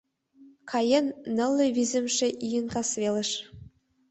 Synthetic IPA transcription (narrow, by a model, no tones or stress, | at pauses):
kʰɑjenːɤ̆lʲˠːɘ̆vʲizʲɘ̆mʃĕʔijɘ̆nkɑsvʲelʲɘ̆ʃ